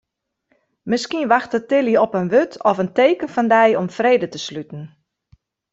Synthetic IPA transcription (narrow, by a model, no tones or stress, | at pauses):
mɪskiənʋaxtətɪliɔpənʋøtʰɔfənteːkənfɔndɛjɔmfreːdətəslytn̩